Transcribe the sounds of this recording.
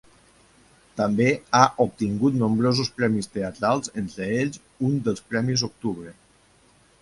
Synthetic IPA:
t̪ambeaʔup̚t̪iŋɡut̪nombɾozuspɾɛmist̪eat̪ɾalˠzent̪ɾəeʎz | und̪əlˠspɾɛmizok̚t̪uβɾə

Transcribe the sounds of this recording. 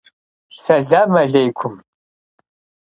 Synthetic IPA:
sɐɮaːmɐɮejkʷʰʊm

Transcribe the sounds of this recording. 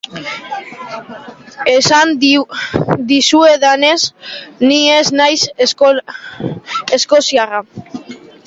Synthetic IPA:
esan | d̪isue̞ðane̞snie̞znajs | e̞sko̞siara

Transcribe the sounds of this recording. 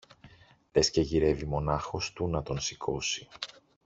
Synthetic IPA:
ðe̞sce̞ʝiɾe̞vimo̞nɐxo̞st̪unɐt̪o̞nsikʰo̞si̥

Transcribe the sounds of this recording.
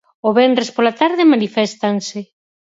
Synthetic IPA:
oβɛndɾespolat̪aɾðemanifɛst̪anse

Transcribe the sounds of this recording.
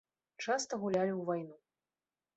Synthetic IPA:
t͡ʂast̪ɐɣulʲalʲiwvajnu

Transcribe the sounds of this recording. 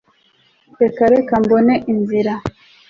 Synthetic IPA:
ekaɾekamboneʔinziɾa

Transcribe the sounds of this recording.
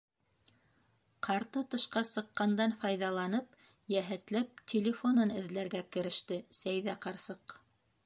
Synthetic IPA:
qɑɾt̪ɤt̪ɤ̆ʃqɑsɤ̆qːɑnd̪ɑnfɑjðɑlˠɑnɤp̚ | jæɦɘ̆t̪læp̚t̪ʲʰɪlʲɪfo̞nɤnɘ̆ðlæɾɡækɘ̆ɾɘ̆ʃt̪ɘsæjðæqɑɾsɤq

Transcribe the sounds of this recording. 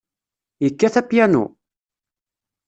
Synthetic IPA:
jəkːæθæpjænṵ

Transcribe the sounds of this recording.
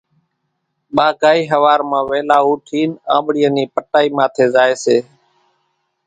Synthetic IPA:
ɓaːkaːiːɦəʋaːɾmãːʋeːlaːuːʈʰiːnã̰ːɓɽijəniːpəʈaːiːmãːt̪ʰeːzaːeːseː

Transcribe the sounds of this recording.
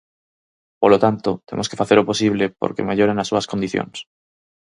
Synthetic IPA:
polot̪ant̪ot̪e̞moske̞faθeɾopo̞siβ̞lepo̰ɾkḛmeʎoɾenasːuaskond̪iθjõ̰ns

